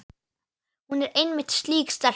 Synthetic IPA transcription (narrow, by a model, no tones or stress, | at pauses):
hunɛɾenmɪt̪ʃliːɡst̪aɾ